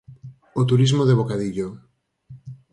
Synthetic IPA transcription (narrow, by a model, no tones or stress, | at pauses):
ot̪̬uɾizmoðeβokaðiʎo